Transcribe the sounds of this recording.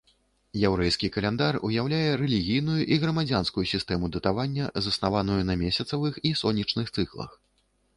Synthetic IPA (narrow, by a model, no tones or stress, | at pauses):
jɛwɾɛjskʲikɐlʲɛnd̪arṵjawlʲajɛɾɛlʲiɣʲijnujuʔiɣɾɐmad͡zʲanskujusʲist̪ɛmud̪ɐt̪avanʲːɐzɐsnavanujunɐmʲesʲɐt̪sɐvɨxisɔnʲːit͡ʂnɨxt̪sɨklˠɐ̰x